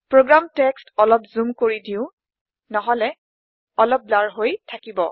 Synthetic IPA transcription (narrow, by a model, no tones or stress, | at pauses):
pɹoɡɹamtɛkstɔlɔpzumkoɹidĩʊ̃ | nɔɦɔlɛ | ɔlɔp̚laɹɦojtʰakibɔ̰